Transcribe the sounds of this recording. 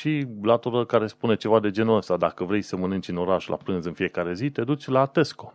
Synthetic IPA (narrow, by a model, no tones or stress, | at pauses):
ʃilat̪oɾəlkaɾe̞spune̞t͡ʃe̞vad̪e̞d͡ʒe̞nuəst̪ad̪akəvɾe̞jsəmənɨnt͡ʃɨno̞ɾaʃula̰pɾɨnzɨnfije̞kaɾe̞zit̪e̞d̪ut͡ʃʲlat̪e̞sko̞